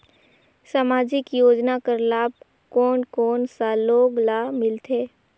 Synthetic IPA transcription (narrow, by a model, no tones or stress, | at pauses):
samaːd͡ʒɪkjoːd͡ʒnakəɾlaːb̚ | kɔːnkɔːnsaːloːɡlamɪlt̪ʰeː